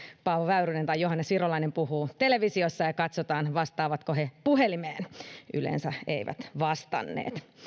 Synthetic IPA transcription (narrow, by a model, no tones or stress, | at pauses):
pɑːʋoʋæyɾynent̪ɑjjoɦɑnːesʋirolɑinempuhuːt̪eleʋisiosːɑjɑkɑt̪sot̪ɑːnʋɑst̪ɑːʋɑt̪kohepuhelimeːnʔy̰lḛnsæḛiʋæ̰t̪ʋɑst̪ɑ̰nːḛːt̪